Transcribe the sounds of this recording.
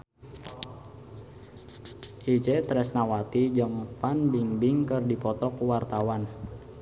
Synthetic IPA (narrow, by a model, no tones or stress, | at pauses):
ʔid͡ʒɛt̪ɾɛsnawat̪id͡ʒəŋpanbiŋbiŋkərdipɔt̪ɔkuwart̪awan